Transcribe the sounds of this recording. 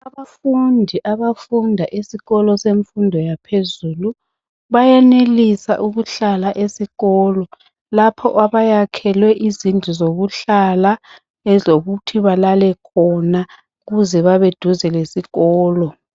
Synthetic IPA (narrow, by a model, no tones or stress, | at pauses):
aβafundʱiʔaβafundʱaʔesiɣɔlɔseɱfundʱɔjapʰezuːlu | βajɛnelisa̰ʔuɣuɬalaʔesiɣɔːlɔ | lapʰɔ̰ʔaβajakʰɛlwɛʔizind͡ɮʱizoɣuɬala | ɛzoɣutʰiβalalɛkʰɔna | ɣuzɛβaβed̥ʱuzɛlesiɣɔːlɔ